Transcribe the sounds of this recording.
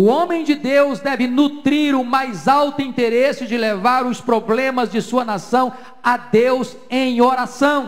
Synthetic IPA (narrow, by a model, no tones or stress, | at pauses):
ʊõmẽj̃d͡ʒɪd̪ewzd̪ɛvɪnut̪ɾiɾʊmajzawt̪ʊĩnt̪eɾesɪd͡ʒɪlevaɾʊspɾoblẽmɐzd͡ʒɪsuɐnasɐ̃w̃ | ad̪ewz | ẽj̃oɾasɐ̃w̃